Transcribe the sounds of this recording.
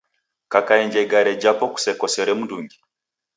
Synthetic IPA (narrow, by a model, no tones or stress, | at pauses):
kakaɛɲd͡ʒɛɡaɾɛd͡ʒapɔku̥sɛkɔsɛɾɛmunduŋɡi